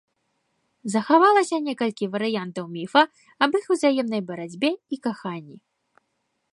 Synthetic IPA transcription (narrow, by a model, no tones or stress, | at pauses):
zɐxavalˠɐsʲɐnʲɛkɐlʲkʲivɐɾɨjant̪ɐwmʲifɐ | ɐbixuwzajɛmnɐjbɐɾad͡zʲbʲɛikaxanʲːi